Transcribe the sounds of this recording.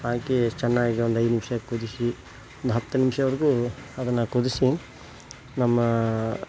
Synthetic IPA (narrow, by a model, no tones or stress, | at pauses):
aːket͡ʃɛnːaːɡiɡeond̪uɐjd̪nimʂɐkud̪isi | ond̪ɦɐt̪ːɐnimʃɐʋɐɾɡuɐd̪ɐnːɐkud̪isi | nɐmːɐ